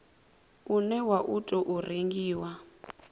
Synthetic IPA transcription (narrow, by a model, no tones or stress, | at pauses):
unɛwaʔutʼɔʔureŋɡiːwa